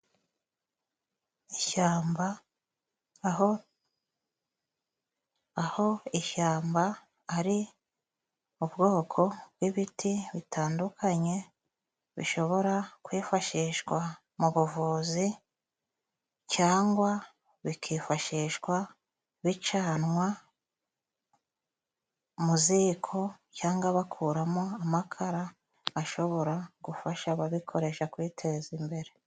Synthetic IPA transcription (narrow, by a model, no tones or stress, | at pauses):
iaːmb | ho | ho̞iʃaːmbaː | ɾi | ubɡo̞ːkʰo̞bɡiβitʰiβitʰaːndukʰaɲe̞ | βḭʃo̞βo̞ɾakwiːfaʃiːʃkwa | muβuvuːzi | caːŋɡwa | βikʰiːfaʃiʃɡwa | βit͡ʃaːnŋwa | muziːkʰo̞caːŋɡwaβakʰuːɾamo̞amakʰaɾaː | ʃo̞βo̞ɾaɡ̥ufaʃaβaβikʰo̞ɾe̞ʃakwiːtʰe̞zimbe̞ɾe̞